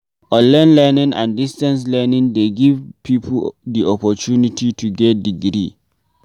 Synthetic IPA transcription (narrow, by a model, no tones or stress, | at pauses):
ɔ̃nlɛnlɛnĩŋã̰ndistɛ̃ns̬lɛnĩndeɡivpʰipʰudiɔpɔt͡ʃunitʰitʰuɡɛt̚diɡɾi